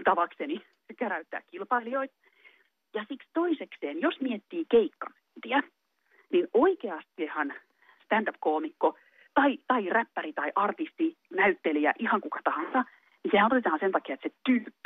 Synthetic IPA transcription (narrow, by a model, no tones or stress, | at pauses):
t̪ɑʋɑkseni | sekeræyt̪ːæ̰ːkkilpɑilijoit̪ | jɑsikst̪oisekseːnjosmiet̪ːiːkeikːɑ̰nynt̪iæ | ninoikeɑst̪ehɑn | st̪ænd̪ɑpkoːmikːo | t̪ɑit̪ɑiræpːærit̪ɑiʔɑrt̪ist̪inæyt̪ːeliæʔihɑŋkukɑt̪ɑhɑnsɑ | nisehænot̪et̪ɑːnsent̪ɑkiɑet̪set̪ylkː